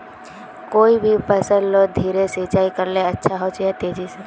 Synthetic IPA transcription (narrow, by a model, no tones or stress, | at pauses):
koːibʱipəsə̃llod̪ʱiːɾeset͡ʃaːikəɾleətːʃʰaɦot͡ʃet̪eːd͡ʒis